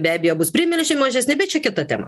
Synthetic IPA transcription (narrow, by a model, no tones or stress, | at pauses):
bʲæːbʲejoːbʊspʲɾʲɪmʲɪlʲʃʲɪmɐʒʲɛsʲnʲɪbʲɛtt͡ʃʲɛkʲɪt̪ɐt̪ʲɛ̰ːmɐ̰